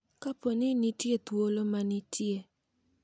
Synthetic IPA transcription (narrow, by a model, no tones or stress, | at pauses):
kaponɪnɪtjet̪wolomanɪtʰje